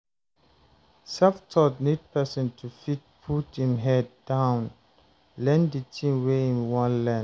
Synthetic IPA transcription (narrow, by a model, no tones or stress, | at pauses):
sɛftʰɔtnid̚pʰɛsə̃ntʰufit̚pʰutĩmɦɛdːãʊ̃n | lɛ̃nditʰĩmweĩnwãnlɛ̃